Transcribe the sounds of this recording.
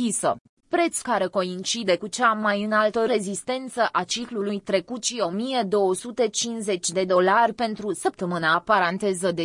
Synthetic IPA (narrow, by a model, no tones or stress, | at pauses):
isə̰ | pɾe̞t̪skaɾe̞ko̞int͡ʃid̪e̞kut͡ʃamajɨnalt̪əɾe̞zist̪e̞nt̪səʔat͡ʃiklulujt̪ɾe̞kut̪ʃio̞mijed̪o̞wəsut̪e̞t͡ʃinze̞t͡ʃʲd̪e̞d̪o̞larʲpe̞nt̪ɾusəp̚t̪əmɨnapaɾant̪e̞zəd̪e